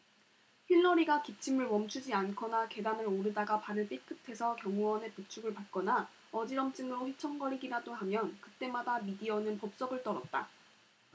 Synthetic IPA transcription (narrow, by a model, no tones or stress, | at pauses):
ɸiɭːʌɾiɡakip̚t͡ɕʰimɯɭmʌmt͡ɕʰud͡ʑiankʰʌnake̞danɯɾoɾɯdaɡapaɾɯɭp͈ik͈ʰɯk̚tʰe̞sʰʌkjʌŋuwʌne̞pɯkt͡ɕʰuɡɯɭpat̚k͈ʌna | ʌd͡ʑiɾʌmt͡ɕ͈ɯŋɯɾoɸit͡ɕʰʌŋɡʌɾiɡiɾad͈oɦamjʌnkɯt͈e̞madamidiʌnɯnpʌp̚s͈ʌɡɯɭt͈ʌɾʌt̚t͈a̰